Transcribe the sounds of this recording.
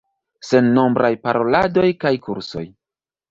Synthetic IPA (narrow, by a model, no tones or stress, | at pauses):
se̞nːo̞mbɾʔajpaɾo̞lado̞jkajkuɾso̞̰j